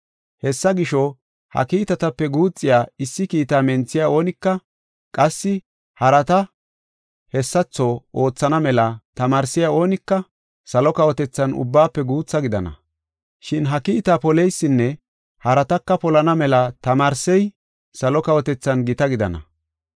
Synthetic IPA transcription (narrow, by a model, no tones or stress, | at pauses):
hɛsːɐɡɪʃɔ | hɐ̰kiːt̪ɐt̪ɐpːɛɡuːt͡sʼːɪjaːɪsːɪkiːt̪aːmɛnt͡sːɪjao̞ːnɪkːɐ | kʼɐsːɪ | hɐɾɐt̪ɐ | hɛsːɐt͡sːɔʔo̞ːt͡sːɐnɐmɛlɐt̪ɐmaːɾsɪjao̞ːnɪkːɐ | sɐlɔkɐwɔt̪ɛt͡sːɐnʊ̰bːaːpːɛɡuːt͡sːɐɡɪd̪ɐ̰nɐ̰ | ʃɪnɦɐkiːt̪aːpɔlɛjsːɪnːɛ | hɐɾɐt̪ɐkːɐpɔlɐnɐmɛlɐt̪ɐmaːɾsɛj | sɐlɔkɐwɔt̪ɛt͡sːɐnɡɪt̪ɐɡɪd̪ɐ̰nɐ̰